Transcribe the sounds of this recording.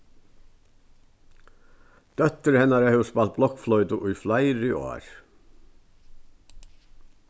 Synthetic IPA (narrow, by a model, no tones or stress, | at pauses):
d̪̥œt̪əɾhɛnaɾəhœʋspɑlt̪̚blɔkflɔʏt̪əʔujflaɪɾʏo̰ːɾ